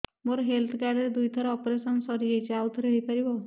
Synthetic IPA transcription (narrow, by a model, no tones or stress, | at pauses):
moɾɔɦelt̪ʰkaɾɖeɾed̪ujt̪ʰɔɾɔɔpɾesɔnsɔɾiɾejt͡ʃawt̪ʰɾəɦipaɾibɔ